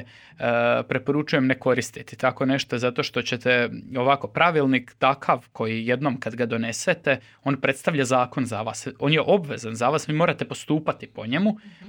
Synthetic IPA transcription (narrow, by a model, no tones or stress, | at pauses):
pɾe̞po̞ɾut͡ʃujemne̞ko̞ɾist̪it̪i̥t̪ako̞ne̞ʃt̪ozat̪o̞ʃt̪o̞t͡ɕe̞t̪eo̞ʋako̞pɾaʋilˠnikt̪akʰaʋkʰo̞jije̞d̪no̞mkad̪ɡad̪o̞ne̞set̪e̞ | o̞ːnpɾe̞t̪st̪aʋʎazaːko̞nzaʋaːso̞ːnje̞ʔo̞bʋe̞zanzaʋaːsʋiːmoːɾat̪e̞po̞st̪uːpat̪ipo̞ɲemu